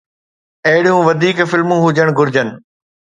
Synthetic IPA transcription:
ɐɦɪɽijũːʋɐd̪ʱiːkfɪlmũɦʊd͡ʑəɽ̃ɡʊɾd͡ʑənɪ̆

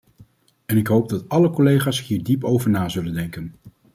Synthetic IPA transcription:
ɛnɪkɦowb̚dɑtɑləkɔlejχaːsɦiːɹdipowvəɹnaːzɵləndɛŋkən

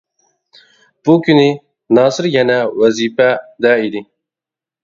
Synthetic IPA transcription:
b̥ukyni | nɑːsɨɾjɛnæwæzifæd̪æid̪i

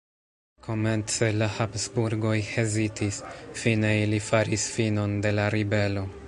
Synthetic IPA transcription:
kʰo̞me̞nt͡se̞lahapsbuɾɡo̞jhezitʰisfine̞ilifaɾisfino̞nde̞laɾibe̞lo̞

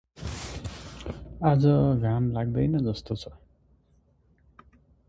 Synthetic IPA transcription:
ad͡zʌɡʱamlaɡ̚d̪ʌjnʌd͡zʌst̪ot͡sʰʌ̥

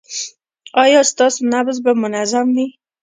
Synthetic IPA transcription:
ɑjɑst̪ɑsnabzbamʊnazamwi

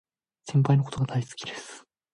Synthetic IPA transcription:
sẽmp̬ainokot̪o̞ɡad̪aisɨ̥kʲid̪e̞sɨ̥

